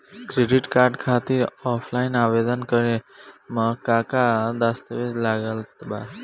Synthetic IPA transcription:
kɾeɖiʈkaɾɖkʰat̪iɾɔpʰlainaʋed̪ənkəɾeməkakad̪ast̪əʋelaɡəlt̪ba

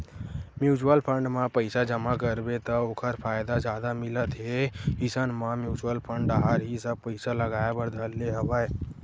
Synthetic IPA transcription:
mjuːt͡ʃəlpʰə̃ɳɖmãpəɪsad͡ʒəmakəɾbet̪əokʰəɾpʰaːɪd̪ad͡ʒjaːd̪amɪlət̪ɦeɦɪsənmãmjuːt͡ʃuəlpʰəɳɖaɦaɾɦisəb̚pəɪsaləɡaːjabəɾd̪ʱəlːeɦəʋae

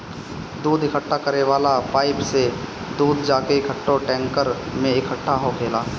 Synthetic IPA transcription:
d̪uːd̪ɪkʰəʈʰːakəɾeʋaːlapaːɪpse | d̪uːd̪d͡ʒaːkeɪkʰəʈʰːoʈɛ̃ːŋkəɾmẽɪkʰəʈʰːaɦokʰeːlaː

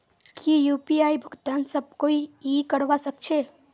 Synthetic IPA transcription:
kʰijuːpiaːibʱʊɡt̪aːnsɐb̚koiikəɽʋasəkt͡ʃʰe

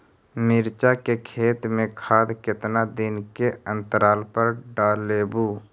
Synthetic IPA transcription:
mɪɾt͡ʃakekʰeːt̪mẽkʰaːd̪kɪt̪nad̪ɪnkeə̃nt̪əɾaːlpəɾɖaːleːbuː

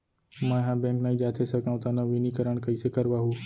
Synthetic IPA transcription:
mãːɦãːbẽːŋknaĩd͡ʒaːt̪ʰesɐkaːũt̪ɐnɐʋɪnikɐɾəɽ̃kɐisekɐɾʋaːɦuː

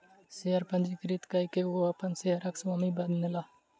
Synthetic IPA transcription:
seːəɾpə̃nd͡ʒiːkɾiːt̪kaːiːkeːoːəpənseːəɾəksʋaːmiːbəd̪nɪlaː

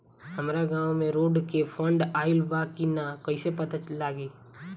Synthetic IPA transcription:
hɐmɾaɡãːwmẽɾoːɖkefʰə̃ɳɖaːɪlbaːkːinakɐɪsepɐt̪at͡ʃlaːɡiː

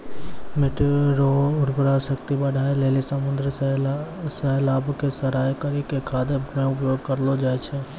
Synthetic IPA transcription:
mɪʈɾoʊɾpɾaʃəkt̪ibəɽʱaːeleːlisəmʊ̃nd̪ɾə | səɦlaːbkesɐɾaːjkəɾikekʰaːd̪əbmẽʊpjoːɡ̚kəɾlod͡ʒaːet͡ʃʰe

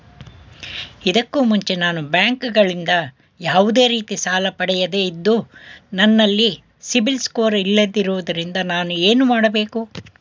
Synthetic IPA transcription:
id̪ɐkːuːmuɲt͡ʃenaːnubjaːŋkɡɐɭind̪ɐ | jaːʋud̪e̞ːɾiːt̪isaːlɐpɐɽɛjɐd̪e̞id̪ːunɐnːɐlːi | sibilskoːɾilːɐd̪ːiɾuʋud̪ɐɾind̪ɐnaːnueːnumaːɽɐbe̞ːku

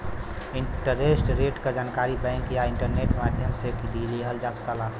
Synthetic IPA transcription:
ɪɳʈəɾesʈɾeʈkad͡ʒaːnkaɾibɛ̃ŋkjaɪ̃ɳʈəɾneʈmad̪ʱjəmsekid̪iliɦəld͡ʒasə̥kala

